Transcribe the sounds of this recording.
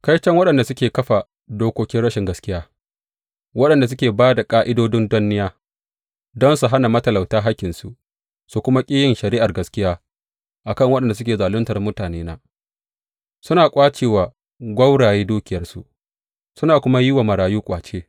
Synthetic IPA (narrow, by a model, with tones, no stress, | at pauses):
kɐ˦jt͡ʃɐ˦ŋwɐ˦ɗɐ˨nda˨sʊ˦kʲeː˨kɐ˦ɸa˨ | doː˦kʷoː˦kʲɪ˦nɽɐ˦ʃɪ˨ŋɡɐ˦skʲɪ˦jaː˦ | wɐ˦ɗɐ˨nda˨s̬ʊ˦kʲeː˨baː˦da˨kʼaː˦ʔɪ˦doː˦dɪ˦ndʊ˦nːɪ˦jaː˦ | dɔ˦nsu˨ɦa˦na˨mɐ˦tɐ˨la˨wtaː˦ɦa˦kʲːɪ˨nsu˨ | su˦kʷʊ˦ma˦kʲʼiː˦jɪ˨nʃɐ˨ɾi˦ʔa˨rɡɐ˦skʲɪ˦jaː˦ | ʔa˨kɐ˦˨ŋwɐ˦ɗɐ˨nda˨s̬ʊ˦kʲeː˨zaː˨lʊ˦ntɐ˨rmʊ˦taː˨neː˦na˦ | sʊ˦naː˨kʷʼaː˦t͡ʃeː˨waː˨ | ɡʷɐ˦wɽaː˨jeː˦duː˦kʲɪ˨jɐ˦rsṵ˨ | sʊ˦naː˨kʷʊ˦ma˦ji˦wa˨mɐ˨ɾaː˨juː˦kʷʼa̰ː˨t͡ʃeː˦